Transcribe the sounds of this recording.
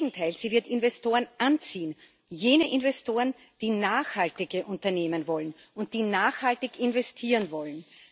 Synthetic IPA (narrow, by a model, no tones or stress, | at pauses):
ŋ̩tʰaɪlz̥iːvɪɐtɪnvɛstʰoːʁənʔant͡siːən | jeːnəʔɪnvɛstʰoːʁən | d̥iːnaːxhaltɪɡəʔʊ̃ntɐneːmənvɔlən | ʊnt̚d̥iːnaːxhaltɪçɪnvɛstʰiːʁənvɔlən